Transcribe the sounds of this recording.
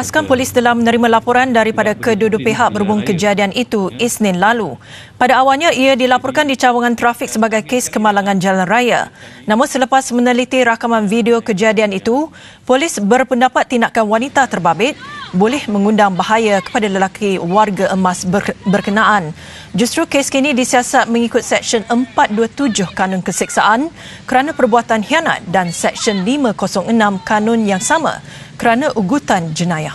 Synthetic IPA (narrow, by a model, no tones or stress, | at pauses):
askanpolɪst̪əlahmə̃nə̃ɾimãlapɔɾandaɾipadakədudʊpeɦaʔk̚bəɾubʊŋkəd͡ʒadianʔit̪uisnɪnlalu | padaːwalɲãiadilapɔrkandit͡ʃawaŋãnt̪ɾafik̚səbaɡajkeskəmalaŋãnd͡ʒalanraja̰nãmʊnsələpasmənəlit̪iɾakamanfidiokəd͡ʒadianit̪u | polɪsbərpəndapat̪ːindaʔkanwanit̪at̪ərbabɪt̪̚bolɛhmə̃ŋundaŋbaɦajakə̥padaləlakʰiwarɡaʔəmasbərkənaʔan | d͡ʒust̪ɾukeskinĩdisiasat̪̚mə̃ŋikʊt̪̚sɛk̚ʃənəmpat̪̚duət̪ud͡ʒʊhkanʊ̃nkəsik̚saʔan | kəɾanãpərbuat̪anhiana̰t̪̚dansɛkʃɔnlimãkosɔŋənãmkanʊ̃njaŋsamã̰ | kəɾanãʔuɡut̪and͡ʒənãja